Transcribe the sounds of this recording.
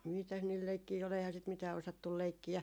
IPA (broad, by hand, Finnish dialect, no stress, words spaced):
mitæs niːl leikːiː ol eihæː sit mitæː osɑtːul leikːiæ